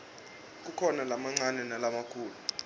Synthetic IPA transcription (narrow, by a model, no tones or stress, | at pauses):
k̬ʼukʰɔnalamaŋ͡ǀʱanɛnalamakʰuːlu